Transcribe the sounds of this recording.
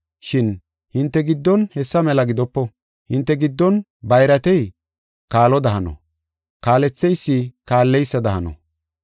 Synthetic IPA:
ʃɪn | hɪnt̪ːɛɡɪd̪ːɔnhɛsːɐmɛlɐɡɪd̪ɔpːɔ | hɪnt̪ːɛɡɪd̪ːɔn | bɐjɾɐt̪ɛj | kaːlɔd̪ɐɦɐnɔ̰ | kaːlɛt͡sːɛjsːɪkaːlːɛjsːɐd̪ɐhɐnɔ̰

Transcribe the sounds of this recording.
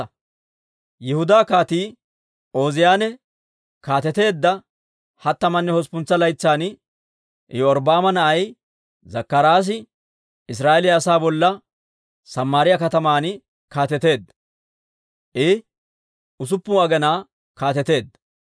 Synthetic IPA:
jɛhʊd̪aːkaːt̪iː | ʔo̞ːzɪjaːnɛ | kaːt̪ɛt̪e̞ːd̪ːɐ | hɐt̪ːɐmɐnːɛhɔspʊnt͡sːɐlɐjt͡sːaːn̰ | jɔɔɾbaːmɐnɐʔɐj | zɐkːɐɾaːs̬ɪ | ɪs̬ɾaːʔɛlɪjɐsaːbɔlːɐ | sɐmːaːɾɪjɐkɐt̪ɐmaːnɪ | kaːt̪ɛt̪e̞ːd̪ːɐ | ʔɪ | ʔʊs̬ʊpːuːɐɡɛnaː | kaːt̪ɛt̪e̞ːd̪ːɐ

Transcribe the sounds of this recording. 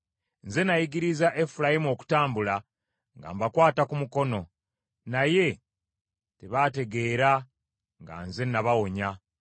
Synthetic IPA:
nze̞najiɡiɾizaʔe̞fulajimuo̞ːku̥taːmbula | ŋɡa̰ːmbakwaːtakumuko̞no̞ | naje̞ | te̞βate̞ɡe̞ːɾa | ŋɡa̰nze̞naβawo̞ɲa

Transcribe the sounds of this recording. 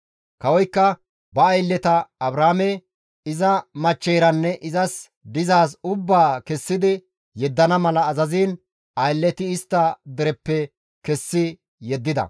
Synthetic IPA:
kɐwɔjkːɐ | bɐːjlːɛt̪ɐɐbɾaːmɛ | ɪzɐmɐt͡ʃːɛjɾɐnːɛʔɪzɐs | d̪ɪzaːs̬ʊbːaːkɛsːɪd̪ɪ | jɛd̪ːɐnɐmɐlɐːzɐziːn | ɐjlːɛt̪ɪɪst̪ːɐd̪ɛɾɛpːɛ | kɛsːɪ | jɛd̪ːɪd̪ɐ̰

